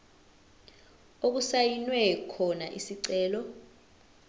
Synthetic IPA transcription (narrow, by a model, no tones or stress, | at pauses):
ok̬usajinwɛkʰɔnaʔisiǀɛːlɔ